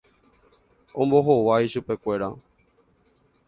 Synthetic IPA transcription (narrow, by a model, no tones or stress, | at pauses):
õmbo̞ɦoʋaiʃupe̞kʷe̞ɾa̰